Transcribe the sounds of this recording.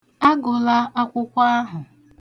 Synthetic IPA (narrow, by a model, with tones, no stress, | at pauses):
a˦ɡʊ˨la˦a˦kʷʊ˦kʷa˦a˦ɦʊ˨